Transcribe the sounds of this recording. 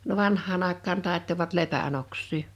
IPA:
no ʋɑnhˑɑːn ɑˑekˑɑːn tɑˑetːoʋɑt lepæn oksˑiː

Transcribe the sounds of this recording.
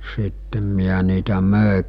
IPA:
sitːem miæ niːtæ møˑe

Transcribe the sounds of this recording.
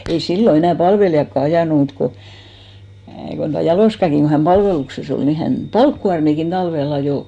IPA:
ei silːo enæˑ pɑlʋelijɑkːɑ ɑjɑˑnu mut ko kon tuɑ jɑloˑskɑki ku hæn pɑlʋelukses ol ni hæn pɑlkːuɑrmikin tɑlʋel ɑjoˑ

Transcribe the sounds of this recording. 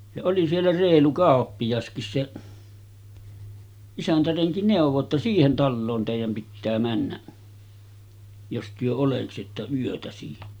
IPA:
jɑ oli sielːæ reːlu kɑˑopːijɑskis seʔ isæntæreŋki neˑuʋˑo tːɑ siːhen tɑlːoːn teˑijæm pitːæː mænːæʔ jos tyø oleksitːɑ yøtæ siːnæ̥

